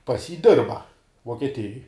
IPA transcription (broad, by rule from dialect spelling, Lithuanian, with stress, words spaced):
pɐs jiː ˈdʲɪrbɐ ʋuɔkʲiɛˈtʲɪjoːj